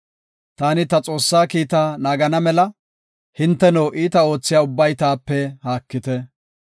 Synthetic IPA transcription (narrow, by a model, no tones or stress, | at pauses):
t̪aːnɪt̪ɐt͡sʼo̞ːsːaːkiːt̪aːnaːɡɐnɐmɛlɐ | hɪnt̪ːɛnoːʔiːt̪ɐo̞ːt͡sːɪjaːʊbːɐjt̪aːpːɛhaːkːɪt̪ɛ